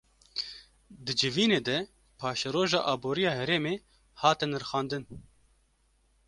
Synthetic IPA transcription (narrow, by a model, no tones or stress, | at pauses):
d̪ɨd͡ʒɨviːneːd̪ɛ | pʰɑːʃɛɾoːʒɑ̰ːʔɑːboːɾijɑːɦɛɾeːmeː | hɑːt̪ɨnɾxɑːnd̪ɨn